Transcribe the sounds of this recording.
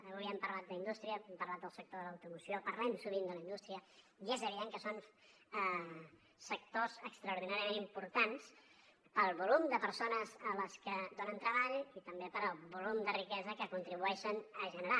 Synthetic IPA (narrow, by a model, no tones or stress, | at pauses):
əβuβiəmpəɾlat̪̚d̪əind̪ust̪ɾiəɛmpəɾlat̪̚d̪əlˠsək̚t̪oðələwt̪umusiopəɾlɛmsuβ̞ind̪ələind̪ust̪ɾiə | iezəβiðeŋkəson | sək̚t̪ozəkst̪ɾəuɾðinaɾiəmenimpuɾt̪ans | pəlˠβulumd̪əpəɾsonəzələskəd̪onənt̪ɾəβaʎit̪əmbepəɾbulumd̪ərikɛzəkəkunt̪ɾiβ̞uɛʃənəʒənəɾa